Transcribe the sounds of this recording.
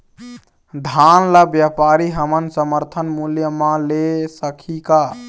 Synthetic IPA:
d̪ʱanlabjapaɾiɦəmənsəməɾt̪ʰənmuljəmalesəkʰika

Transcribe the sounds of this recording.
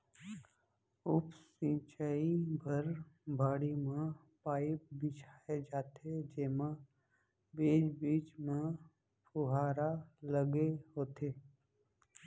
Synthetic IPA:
ʊpsĩːt͡ʃaːibʱəɾbʱaːɽimẽ | paːɪp̚bɪt͡ʃʰaːed͡ʒaːt̪ʰed͡ʒeːmã | beːd͡ʒbiːt͡ʃmẽ | pʊɦaːɾaləɡeɦoːt̪ʰeː

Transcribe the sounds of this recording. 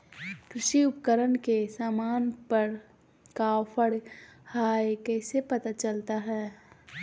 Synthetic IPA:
kɾɪʃiʊpəkəɾənkesaːmaːnpəɾ | kaːwpʰəɽhaːekɛːsepɐt̪at͡ʃəlt̪aɦɛː

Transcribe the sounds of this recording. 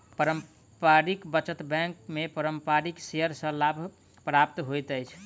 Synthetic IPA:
pəɾəm | paɾikbət͡ʃət̪bɛ̃ŋkmepəɾəmpaɾikseɦəɾsə̃labʱ | pɾap̚t̪ɦojt̪əjt͡ʃʰ

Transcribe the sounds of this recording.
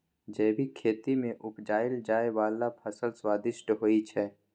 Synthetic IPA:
d͡ʒɛːbʱikʰeːt̪imẽʔʊpd͡ʒaːɪld͡ʒaːewaːlapʰəsəlswaːd̪ɪʃʈɦoːit͡ʃʰɛː

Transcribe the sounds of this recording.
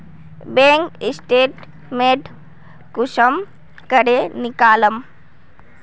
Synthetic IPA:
bẽːŋkisʈeːʈ | meːʈ | kuʃəm | kəɾenikaːlɐm

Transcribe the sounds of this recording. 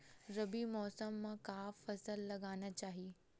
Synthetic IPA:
ɾɐbimɔːsəmːãkaːfɐsəlːɐɡaːnat͡ɕaːɦie

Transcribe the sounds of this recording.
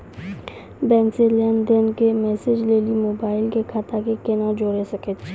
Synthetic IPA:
bɛ̃ːnsilɛnd̪enkemɛːsɪd͡ʒleːlimoːbaːɪlkekʰat̪akekenad͡ʒoːɽesɐkət̪t͡ʃʰː

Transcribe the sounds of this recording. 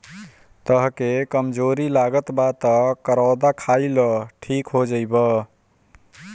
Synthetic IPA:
t̪əɦkekəmd͡ʒoɾilaɡət̪bat̪əkəɾawd̪akʰailəʈʰikɦod͡ʒəjbə

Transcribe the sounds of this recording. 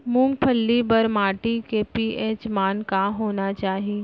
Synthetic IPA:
mʊ̃ŋɡ̚pʰəlːibɐɾmaːʈikepieːt͡ʃmaːnkaɦoːnat͡ʃaːɦi

